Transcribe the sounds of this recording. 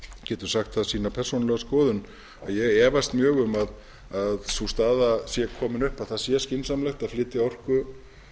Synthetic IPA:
cɛːt̪ʏɾ̥saxt̪θaðsiːnapʰɛr̥sonlɛɣaskɔːðʏn | a̰ðjɛɣɛːvast̪mjœːɣʏmað | aðsust̪aːðasjɛkʰɔːmɪnʏhpaðθaðsjɛscɪnsamlɛxt̪aðflɪːt̪ɪaɔr̥kʏ

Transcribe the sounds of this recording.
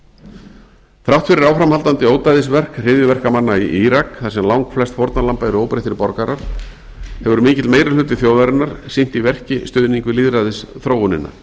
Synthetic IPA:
θɾawht̪fɪɾɪɾawfɾamhalt̪ant̪ɪoːwt̪ajðɪsvɛr̥kr̥ɪðjʏvɛr̥kamanːaiʔiɾakθasɛmlawŋkflɛst̪fowɾt̪nalampajɾʏoːwpɾɪjht̪ɪɾpɔɾkaɾaɾ̥ | hɛvʏɾmiːcɪt̪lmeːjɾalʏːt̪ɪθjowðajɾɪnaɾ̥sin̥t̪ivɛr̥cɪst̪ʏːðniŋkʏliːðɾaðɪsθɾowʏnɪ̰nːa̰

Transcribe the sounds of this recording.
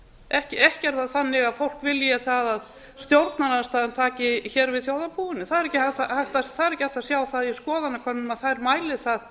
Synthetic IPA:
ɛhcɪʔɛhcɛɾ̥t̪aðθanːɪɣaðfowl̥kvɪljaθaðað | st̪jowɾt̪naɾaðst̪aːðɛnt̪ʰaːcɪçɛːɾvɪðθjowðapʰuːwɪnːɪθaðɛɾɛcːɪhat̪ahaht̪asθaðɛɾɛhcɪhajht̪asjaːwθaðjiskɔːðanːakʰvanːʏmaðθaðɛɾmaːjlɪθað

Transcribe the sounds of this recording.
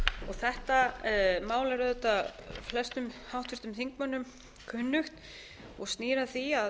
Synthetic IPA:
ɔɣθɛht̪amaːwlɛɾðɛt̪ːaflɛst̪ʏmhawht̪vʏst̪ʏmθiŋk̚mœnːʏm | kʰʏnːʏxt̪ | ɔɣst̪niːɾaθia

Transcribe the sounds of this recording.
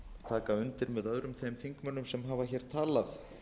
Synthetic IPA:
t̪ʰaːkaʏnt̪ɪɾmɛðœðɾʏmθejmθiŋkmœnːʏmsɛmɦaːvaçɛːɾ̥t̪ʰaːlaθ

